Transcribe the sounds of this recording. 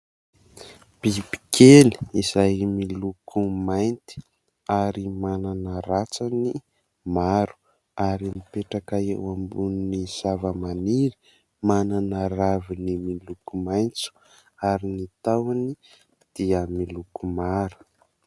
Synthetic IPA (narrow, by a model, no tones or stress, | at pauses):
b̥ibi̥kʰeli̥izajmilukʰumajnt̪i̥ | aɾimananəɾat͡sani | maɾu̥ | aɾinipeʈ͡ʂakaḛwambuniniz̥avəmaniɾi̥ | mananəravinimilukumajnt͡su̥ | aɾinit̪awani | d̪̥iəmilukumaɾu̥